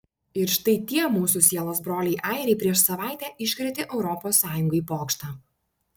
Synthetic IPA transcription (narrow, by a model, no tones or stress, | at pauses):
ɪɾʃt̪ɐɪt̪ʲiɛmuːsʊsʲiɛlˠoːsbɾoːlʲɛɪʔɑˑɪɾʲɛɪpʲɾʲiɛʃsɐʋɑˑɪt̪ʲæːʔɪʃʲkɾʲɛt̪ʲɪʔɛʊɾɔpoːsːɑːjʊŋɡɐiːpoːkʃt̪ɑː